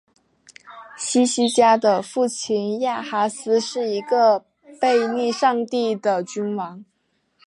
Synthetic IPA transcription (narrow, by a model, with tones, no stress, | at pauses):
ɕi˥ɕi˧˥t͡ɕja˥d̪ə˨fu˥˩t͡ɕʰi˧˩nja˥˩xa˧˥sɹ̩˥ʂɻ̩˥˩i˧˥ɡə˧ | pe˥˧ɪni˥˧ʂɑ˥˧ŋt̪i˥˩d̪ə˩t͡ɕy˥nwɑ˧˥ŋ